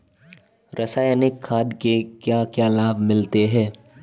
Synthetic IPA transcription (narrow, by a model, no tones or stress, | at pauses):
ɾʔɐsaːjnɪkʰːaːd̪kekjakjaːlaːbʱmɪlt̪eɦɛ̃ː